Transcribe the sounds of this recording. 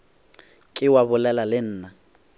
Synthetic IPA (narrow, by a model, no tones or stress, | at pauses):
kʼɪwabʊlɛlalɪn̩ːna